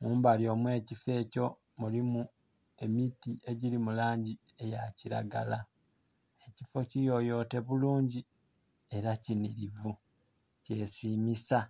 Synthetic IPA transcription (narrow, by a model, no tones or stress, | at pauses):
muːmbaljo̞ːmwe̞ːcife̞ːco̞ | mulimu | e̞mitiʔe̞ɟilimulaːɲɟi | e̞jaciɾa̰ɡa̰la | e̞cifo̞cijo̞jo̞ːte̞βuluːɲɟi | e̞ɾaciniɾivu | ce̞siːmisa